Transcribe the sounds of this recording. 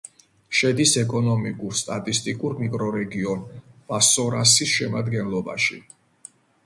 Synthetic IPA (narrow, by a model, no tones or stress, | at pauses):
ʃɛd̪isɛkʼɔnɔmikʼuɾst̪ʼat̪ʼist̪ʼikʼuɾmikʼɾɔɾɛɡiɔnb̥asɔɾasisʃɛmad̪ɡɛnlˠɔba̰ʃḭ